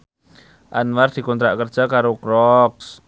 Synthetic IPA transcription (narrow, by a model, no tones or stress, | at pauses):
ʔanmard̪̥i̤kɔnt̪ɾaʔkərd̥ʒ̥a̤kaɾokɾɔks